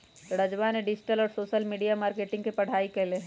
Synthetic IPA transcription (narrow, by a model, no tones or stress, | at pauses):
ɾɐd͡ʒʋaːneɖɪd͡ʒʈəlɔːɾsoːʃəlmiːɖijamaːɾkeːʈɪ̃ŋɡkepɐɽ̤aːikeɦleɦ